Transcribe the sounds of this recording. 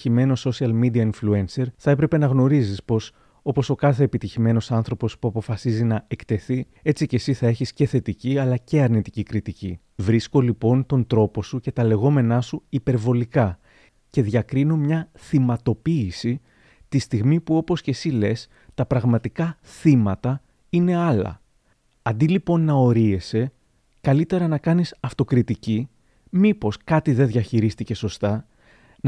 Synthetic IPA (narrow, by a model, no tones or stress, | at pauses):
ime̞no̞so̞siɐlmid̪iɐinflue̞nse̞ɾθɐe̞pɾe̞pe̞nɐɣno̞ɾizispo̞s | o̞po̞so̞kɐθe̞ːpit̪içime̞no̞sɐnθɾo̞po̞spuɐpo̞fɐsizinɐe̞kt̪e̞θi | e̞t͡sice̞siθɐe̞çisce̞θe̞t̪iciɐlɐce̞ɐɾnit̪i̥cikɾit̪icḭ | vɾisko̞lipo̞nt̪o̞nt̪ɾo̞po̞suce̞t̪ɐle̞ɣo̞me̞nɐsuipe̞ɾvo̞likɐ | ce̞ðʝɐkɾino̞mɲɐθimɐt̪o̞piːsi | t̪ist̪iɣmipuo̞po̞sce̞sile̞s | t̪ɐpɾɐɣmɐt̪ikɐθimɐt̪ɐ | ine̞ɐlɐ̰ | ɐnd̪ilipo̞nːɐo̞ɾie̞se̞ | kɐlit̪e̞ɾɐnɐkɐnisɐft̪o̞kɾit̪ici | mipo̞skɐt̪iðe̞ðʝɐçiɾist̪ice̞so̞st̪ɐ